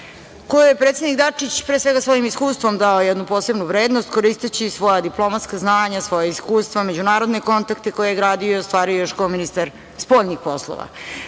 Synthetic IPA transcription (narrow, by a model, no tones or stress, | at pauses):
ko̞jujepɾet̪sed̪nikd̪at͡ʂit͡ɕpɾesʋe̞ɡasʋo̞jimiskuːst̪vo̞md̪aojɛd̪nupo̞ːse̞bnuvɾeːd̪nost̪ko̞ɾist̪et͡ɕisʋo̞jad̪iplo̞mat̪skaznaːɲasʋo̞jaiskuːst̪ʋame̞d͡ʑunaːɾo̞d̪neko̞nt̪akt̪eko̞jejeɡɾaːd̪ioost̪ʋaːɾiojoʃkominist̪aɾ | spo̞ʎnixpo̞slˠo̰ʋa̰